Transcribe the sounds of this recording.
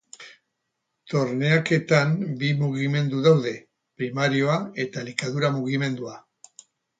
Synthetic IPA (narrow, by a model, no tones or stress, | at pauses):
t̪o̞ɾne̞ake̞t̪ambimuɣime̞nd̪uðawðe̞ | pɾimaɾio̞ae̞t̪alikaðuɾamuɣ̞ime̞nd̪ua